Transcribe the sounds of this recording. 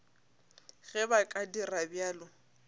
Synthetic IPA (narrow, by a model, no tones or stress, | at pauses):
ɣɛbakʼadirabjaːlʊ